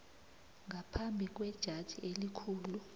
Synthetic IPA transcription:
ŋʱapʰambʱik̬ʼwɛd̥ʒ̥ʱad̥ʒ̥ʱiʔelikʰuːlu

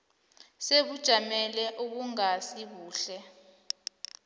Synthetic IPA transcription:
seɓud̥ʒ̥ʱamɛlɛʔuɓuŋasiɓuːɬɛ

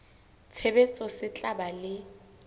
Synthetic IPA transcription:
t͡sʰebet͡sʼɔsɪt͡ɬʼabalɪ

